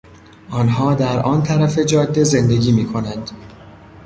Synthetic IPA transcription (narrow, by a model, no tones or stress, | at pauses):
ʔɒːnɦɒːd̪æɾʔɒːnt̪ʰæɾæfe̞d͡ʒɒːd̪ːe̞ze̞nd̪e̞ɟiːmiːkʰo̞nænd̪̥